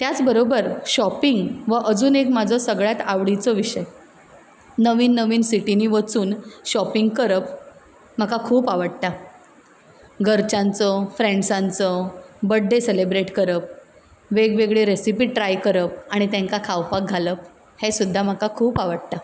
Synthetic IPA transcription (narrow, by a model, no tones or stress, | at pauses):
t̪jat͡sbəɾobəɾɕɔpiŋɡʋəʔəd͡zuːnekmad͡zʱɔsəɡɭjat̪aʋɽit͡sɔʋiɕəj | nəʋiːnːəʋiːnsiʈiniːʋət͡suːnɕɔpiŋɡkəɾəp | m̤akakʰuːpaʋəɽt̪a | ɡʱəɾt͡ɕãnt͡sɔfɾẽɳɖsãnt͡sɔbəɖʱːeselebɾeʈkəɾəp̚ | ʋeɡʋeɡɭeɾesipiːʈɾajkəɾəp̚aɽ̃it̪ɛ̃ŋkakʰawpak̚ɡʱaləp̚ | hesud̪ʱːam̤akakʰuːpaʋəɽt̪a